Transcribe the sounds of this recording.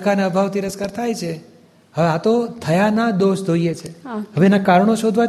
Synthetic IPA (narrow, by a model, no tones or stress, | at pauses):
kaneəbʱaʋt̪iɾəskəɾt̪ʰajt͡ʃʰe | həʋeat̪ot̪ʰəjanad̪oʃd͡ʒoijet͡ʃʰeɦəʋenakaɾɳoʃod̪ʱʋa